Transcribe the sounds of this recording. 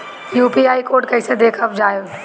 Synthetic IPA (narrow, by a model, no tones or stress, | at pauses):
juːpiaːikoːɾʈkɐɪsed̪eːkʰɐpd͡ʒaːjo